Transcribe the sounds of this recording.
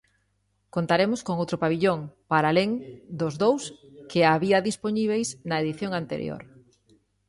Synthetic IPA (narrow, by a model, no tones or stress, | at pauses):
kont̪aɾemʊskoŋowt̪ɾʊpaβiʎoŋpaɾaleŋd̪ʊzðowskɪaβiɐðisponiβ̞ejsnɐeðiθjoŋant̪ḛɾj̰o̰ɾ